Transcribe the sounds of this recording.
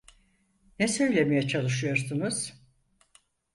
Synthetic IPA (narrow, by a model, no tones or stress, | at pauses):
nɛsø̞jlʲemejɛt͡ʃʰalˠɯʃ̬ɯjo̞ɾsunuz̥